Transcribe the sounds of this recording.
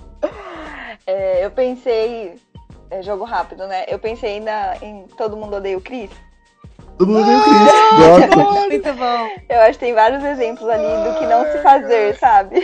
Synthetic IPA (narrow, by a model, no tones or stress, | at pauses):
ɛewpẽsej | ɛʒoɡʊɦapid̪ʊnɛʔewpẽsejnɐẽj̃t̪od̪ʊmũnd̪ʊod̪ejʊkɾis | t̪od̪umũd̪ʊẽjkɾisɡɔmũj̃t̪ʊbõw̃ewaʃʊkɪt̪ẽj̃vaɾjʊzezẽmplʊzalĩd̪ʊkɪnɐ̃w̃sɪfazeɾsabɪ